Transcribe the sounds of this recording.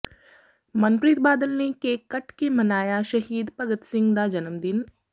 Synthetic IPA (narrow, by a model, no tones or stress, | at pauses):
mɐnpɾiːt̪̚baːd̪əlnekekɐʈkemɐnaːjaʃɐɦiːd̪pɐɡət̪sɪ̃ŋɡd̪ad͡ʒɐnəmd̪ɪn